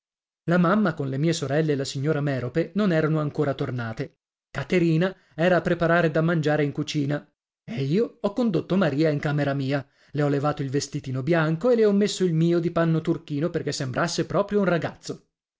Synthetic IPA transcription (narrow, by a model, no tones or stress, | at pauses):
lamamːakonlemiːesoɾɛlːeːlasiɲːoːɾamɛːɾopenonɛːɾanoaŋkoːɾat̪ornaːt̪e | kat̪eɾiːna | ɛːɾaːpːɾepaɾaːɾed̪amːand͡ʒaːɾeiŋkut͡ʃiːna | eiːoɔkːond̪ot̪ːomaɾiːaiŋkaːmeɾamiːa | leɔlːevaːt̪oilvest̪it̪iːnobjaŋkoelːeɔmːesːoilmiːod̪ipanːot̪urkiːnoperkesːembɾʔasːepɾɔːpɾjounraɡat̪sːo